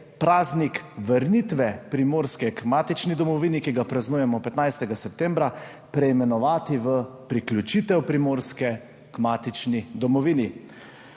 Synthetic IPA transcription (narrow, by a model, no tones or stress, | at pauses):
pɾaːznikʋəɾnit̪ʋɛpɾimoːɾskɛkmaːt̪it͡ʃnid̪ɔmɔʋiːnikiɡapɾaznujɛmɔpɛt̪najst̪ɛɡasɛp̚t̪ɛmbɾa | pɾɛimɛnɔʋaːt̪iʋəpɾiklʲut͡ʃit̪ɛwpɾimoːɾskɛ | kmat̪it͡ʃnid̪ɔmɔʋiːni